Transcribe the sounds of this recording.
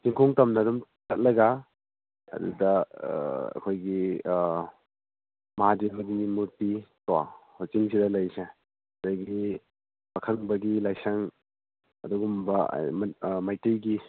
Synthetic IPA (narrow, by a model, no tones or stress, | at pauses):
siŋkʰoŋtɐmnɐdumtʰɐt̚lɐɡa | ɐ̰dṵdɐ | ɐ̰kʰojɡi | mɐɦad͡ʒibɐdinimuɾtitwa̰hot͡ʃiŋsidɐlɐjse | daɡi | bɐkʰɐŋbɐɡilajsɐŋ | ɐ̰duɡumbɐ̰majtijɡi